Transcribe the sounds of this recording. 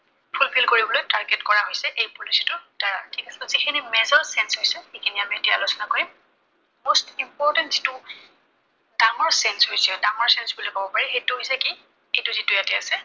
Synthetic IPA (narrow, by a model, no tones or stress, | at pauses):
pʰulpʰilkoɹibɔlojtaɹɡɛtkɔɹaɦojsɛʔejpolisɔ̥tʊd̥aɹatʰikasɛɔ̃zikʰinimɛzɔɹsɛnshojsɛikʰiniamiɛtia̰lusɔnakoɹim | mostimpɔɹtɛntz̥itʊ | daŋɔɹsɛnsɦojsɛdaŋɔɹsɛnsbulojkabɔpaɹixejtʊɦojsɛki | ejtʊzitʊjatɛasɛ